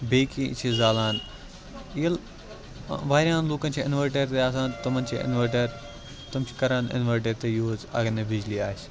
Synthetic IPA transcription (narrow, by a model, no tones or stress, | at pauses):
beːkḭt͡ʃʰizaːlaːn | ijɐl | ʋaːɾʲjãːnluːkɐnt͡ʃʰiɪnʋɐɾʈɐɾt̪eːɐs̬ãːt̪ɐmɐnʲt͡ʃʰiɪ̰nʋɐɾʈeɾ | t̪ɐmt͡ʃʰi̥kɐɾãːnɪ̰nʋɐɾʈɐɾt̪eːjoːzɐ̰ɡɐnebɪd͡ʒliaːʃ